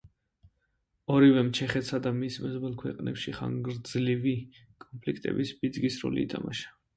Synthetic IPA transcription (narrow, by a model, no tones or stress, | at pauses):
ɔɾivɛmt͡ʃʰɛχɛt̪sad̪amismɛzbɛlˠkʰwɛqʼnɛ̰pʃiχa̰ŋɡɾd̪zlivi | kʼɔnpʰlikʰt̪ʼɛ̰bisbid̪zɡisɾɔ̰lḭːt̪ʰama̰ʃḁ